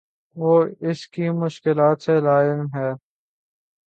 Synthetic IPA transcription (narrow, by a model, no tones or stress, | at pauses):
ʋoːɪskimʊʃkɪlaːt̪selaːɪmɦɛː